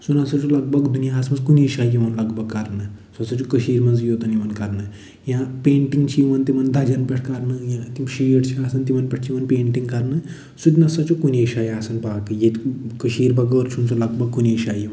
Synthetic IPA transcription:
sunɐsɐt͡ʃʰulɐɡ̚bʱɐɡd̪unjaːsmɐnzkuneːʃaːjiʋɐnlɐɡbʱɐɡkːɐɾnɨsuɐsɐt͡ʃʰukəʃiːɾmɐnzjoːt̪ɐnimɐnkɐɾnɨ | jãːpeːɳʈiŋɡt͡ʃʰiiʋɐnt̪imɐnd̪ʱɐd͡ʒɐnpɐʈʰkɐɾnɨjãt̪imʃiːʈt͡ʃʰiaːsɐnt̪̬imɐnpɐʈʰt͡ʃʰimɐnpeːɳʈiŋɡkɐɾnɨ | sut̪̬ʲnɐsɐt͡ʃʰukuneːʃaːjaːsɐnpaːkɨjet̪kəʃiːɾbɐɡəːɾt͡ʃʰunsulɐɡbʱɐɡ̚kuneːʃaːjiʋɐn

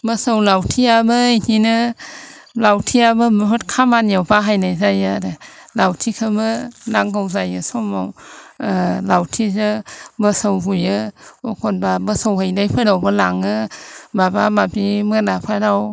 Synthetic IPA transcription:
bəsawlawtʰiabɯjnʰinɯ | lawtʰiabɯmɯpʰɯtkʰamanjawbaɦajnajzajaɾɯlawtʰikʰɯmɯnaŋɡawzajɯsɔmaw | lawtʰizɯbəsawɦujɯɔkʰɔnbabəsowhajnajpʰɯɾawbɯlaŋɯbabamabimɯnapʰaɾaw

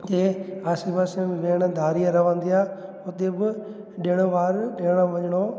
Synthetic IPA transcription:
d͡ʒeːaːsibasẽbɪʋeːɽ̃d̪ʱaːɾijãɾɐʋãːnd̪ijaː | ʊt̪ebɪ | ɗeɽ̃oʋaːɾɗeːɽ̃aʋɐɲɽ̃o

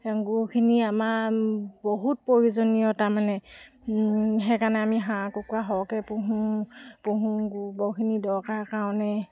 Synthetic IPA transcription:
ɡukʰiniamaboɦut̚pɹoɹuzonijɔtaɹmanɛ | ɦɛkaɹnɛamiɦãkɔkuaɦɔkɛpuɦupuɦũɡubɔkʰinidɔkaɹkaɔ̃nɛ

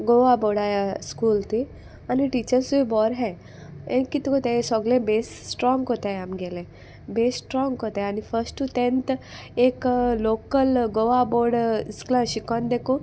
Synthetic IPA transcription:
ɡoʋaboɽajaskuːlt̪i | aniʈit͡ɕəɾsuibɔɾɦɛ | ẽkit̪kot̪esɔɡlẽbesːʈɾɔ̃ŋɡkot̪aamɡelẽ | besːʈɾɔ̃ŋɡkot̪eanifəɾsʈut̪ẽnt̪ | eklokəlɡoʋaboɽisklãɕikɔ̃nd̪eko

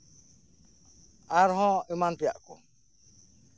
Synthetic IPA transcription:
aɾɦɔ̃əmant̪ɛja̰ʔkɔ̰

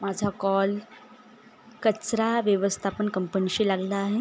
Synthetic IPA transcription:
mad͡zʱakɔl | kət͡sɾaʋjəʋəst̪ʰapəɳkəmpəniɕiːlaɡlaːɦe

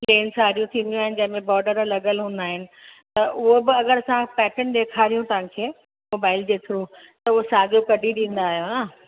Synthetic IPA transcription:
pleːnsaːɾijũt̪ʰĩːnd̪ijũaːɦɪnɪ̆d͡ʑɐ̃ɦɪ̃̆mẽbɔːɖəɾlɐɠəlɦũːn̆d̪aːɦɪnɪ̆t̪ɐʔʊɦobɪɐɡəɾɐsãpɛːʈənɗeːkʰaːɾijũt̪ɐʋ̤ãkʰeː | moːbaːɪld͡ʑeːt̪ʰɾuː | t̪ɐʊɦosaːɡjokɐɖiɗĩːn̆d̪aːɦijonaː

